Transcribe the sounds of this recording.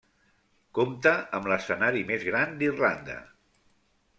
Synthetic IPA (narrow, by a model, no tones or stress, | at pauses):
komt̪əəmləsənaɾimezɣɾand̪irland̪ə̰